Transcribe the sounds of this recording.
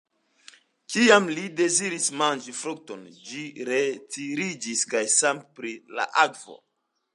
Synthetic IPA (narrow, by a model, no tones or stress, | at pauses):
kiamlide̞ziɾismand͡ʒifɾuk̚to̞nd͡ʒiɾetiɾid͡ʒiskajsampɾila̰ʔakvo̰